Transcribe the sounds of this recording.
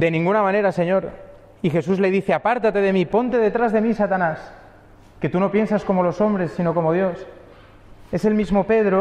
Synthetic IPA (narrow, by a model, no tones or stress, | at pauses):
d̪e̞nĩŋɡunamãne̞ɾase̞ɲo̞ɾ | ixe̞s̬uzle̞ð̞iθeapaɾt̪at̪e̞ð̞e̞mipo̞nt̪e̞ðe̞t̪ɾazðemisat̪anas | ke̞t̪uno̞pje̞nsasko̞mo̞lo̞so̞mbɾe̞sːino̞ko̞mo̞ð̞jo̞s | e̞se̞lmizmo̞pe̞ðɾo